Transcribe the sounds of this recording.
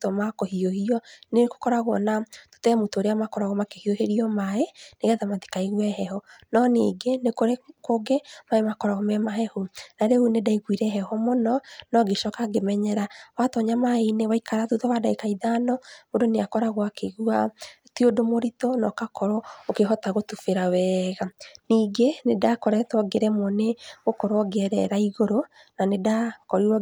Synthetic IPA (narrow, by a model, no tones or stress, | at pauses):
tɔmakɔhiohiɔneko̥kɔɾaɣwɔnato̥tɛmutoːɾeamakɔɾaɣɔmakehioheɾiɔmaeneɣɛðamati̥kaiɣuɛɦɛhɔnɔneːɡenekoɾekoɡemaemakɔɾaɣɔmɛmaɦɛhunaɾehunedaiɣwiɾɛɦɛhɔmɔnɔnɔɡeʃɔkaɡemɛɲɛɾawatɔɲamainewaikaɾaðuðɔwadaekaiðanɔβodoneakɔɾaɣwakeɣua | tiodomoɾitɔnɔkakɔɾɔokeɦɔtaɣotufeɾawɛːɣaniːɡenedakɔɾɛtɔɡeɾɛmɔneɣokɔɾɔɡɛɾɛ̰ɾaiɣoɾo | nanedakɔɾiɔ